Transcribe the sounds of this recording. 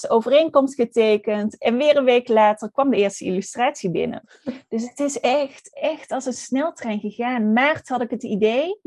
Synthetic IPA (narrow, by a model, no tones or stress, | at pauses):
səowvərejnkɔmstχətejkəntɛnʋɪːrənʋejklaːtərkʋɑmdəɪːɹstəḭlystraːtsibɪ̰nə̰ | d̥ɵs̬ɦətɪsɛxtɛxtɑlˠsənsnɛlˠtrɛjnɣəɣaːnmaːrtɦɑdɪkɦətidej